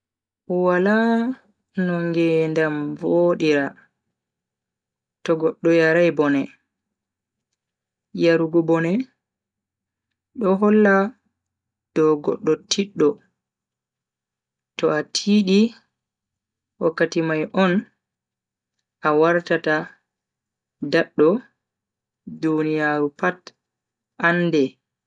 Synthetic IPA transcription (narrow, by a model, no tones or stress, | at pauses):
wala | nɔŋɡɛndamvoɗiɾa | tɔɡɔɗːɔjaɾajbɔnɛ | jaɾuɡɔbɔnɛ | ɗɔɦɔlːa | d̥ɔɡɔ̰ɗːɔtʰiɗːɔ | tɔatʰiɗi | wakːatimajʔɔn | ʔawaɾtata | daɗːɔ | dunijaːɾupat | ʔanːdɛ